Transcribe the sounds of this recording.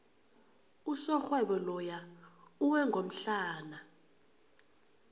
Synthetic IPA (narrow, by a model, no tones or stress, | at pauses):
usɔxwɛɓɔlɔjauwɛŋɡʱom̩ɬaːna